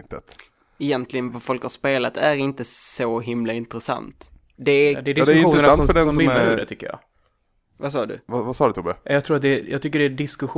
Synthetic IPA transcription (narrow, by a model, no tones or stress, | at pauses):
t̪ət̪ | ɛjɛnt̪ʰlɪɡənvafɔlkhaɾʂpeːlat̪æɾɪnt̪əsɔɦɪmlaɪnt̪ɾɛsa̰nt̪ | d̪ɛd̪ɛdɪɛjɪːɾɛsant̪fœɖɛnsɔdɛ̰t̪ʏkːəjɑ̰ː | vasɑːd̪ɵ̰vavasɑːd̪ət̪ʰuːbɛjɑɡt̪ʰɾuːɾat̪̚d̪ɛjɑ̰ɡt̪ʏk̬ːəɖɛːɖɪskɵɧ